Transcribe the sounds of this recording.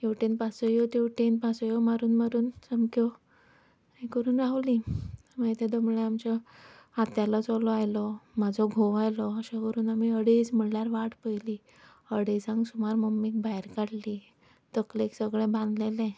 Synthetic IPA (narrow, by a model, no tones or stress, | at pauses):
jeʋʈenpasɔjɔt̪eʋʈenpasɔjɔmaɾuːnmaɾuːnsəmkjɔ | ĩkəɾuːnaʋli | məit̪ed̪omɭeamt͡ɕɔat̪jalɔt͡sɔlɔajlɔmad͡zʱɔɡʱoʋajlɔəɕãkəɾuːnamiəɽesməɽljaɾʋaʈpəjliː | əɽesãŋɡsumaɾməmːik̚bajɾkaɽliː | t̪əkleksəɡɭɛ̃bʱãnd̪lelɛ̃